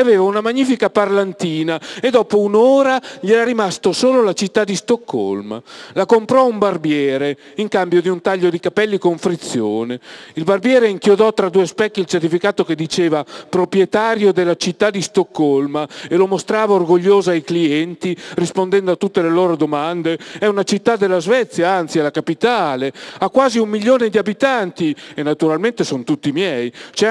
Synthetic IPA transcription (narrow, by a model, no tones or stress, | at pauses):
aveːvaunamaɲːiːfikaparlant̪iːnaed̪ɔːpounoːɾaʎɛɾaɾimast̪osoːlolat͡ʃit̪ːad̪ːist̪okʰːo̰lma̰lakompɾɔumbarbjɛːɾe | iŋkambjod̪iunt̪aʎːod̪ikapɛlːikoɱfɾit̪sːjo̰ːneilbarbjɛːɾeiŋkjod̪ɔt̪ːɾad̪uːespɛkːilt͡ʃert̪ifikaːt̪oked̪ːit͡ʃeːvapɾopɾjɛt̪aːɾjod̪elːat͡ʃit̪ːad̪ːist̪okːoɔlmaelomost̪ɾaːvaorɡoʎːoːzoajkliɛnt̪irispond̪ɛnd̪oat̪ːut̪ːeleloːɾod̪omand̪eɛunat͡ʃit̪ːad̪ːelːazvɛt̪sːjaant̪sialakapit̪aːleakːwaːziumːiʎːoːned̪iabit̪ant̪ienːat̪uɾalment̪esont̪ut̪ːimjɛjt͡ʃɛ